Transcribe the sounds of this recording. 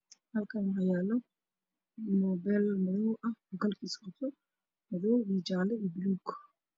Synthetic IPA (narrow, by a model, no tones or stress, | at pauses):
hɐlkʰaːnhɐjaːlɔ | nɔbɛlmɐðɔwʔɐhɡɐlkʰiːskɔt̪ʰɔ | mɐðɔwiːd͡ʒaːlɛiːbluːk